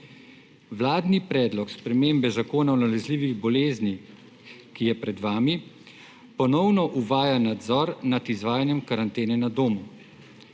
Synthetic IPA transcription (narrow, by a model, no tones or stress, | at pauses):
ʋlaːd̪nipɾɛːd̪lɔkspɾɛmeːmbɛzakoːnaɔnalɛzliːʋiɣbɔleːzni | kijɛpɾɛd̪ʋaːmi | pɔnɔwnɔʔuʋaːjanad̪zɔːɾnat̪izʋaːjanjɛmkaɾant̪eːnɛnad̪oːmu